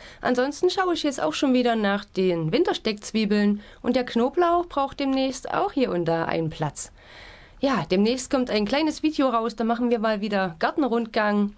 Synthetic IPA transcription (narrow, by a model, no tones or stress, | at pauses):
ʔa̰nzɔnstn̩ʃaʊəɪçjɛt͡sta̰ʊxʃoːnviːɾɐnaːχd̥eːnvɪntɐʃtɛk̚t͡sv̥iːbl̩nʔʊntd̥eːɐknoːplaʊb̥ʁaʊxt̚d̥eːmnɛːçsta̰ʊxhiːɐʔʊntɐʔa̰ɪnənpʰl̥at͡s | jaːd̥eːmnɛːçst̚kʰɔmtaɪnkl̥aɪnəsv̥iːdejoʁaʊsd̥aːmaχn̩viːɐmaːlviːdɐɡ̥aɐtn̩ʁʊntɡ̥aŋ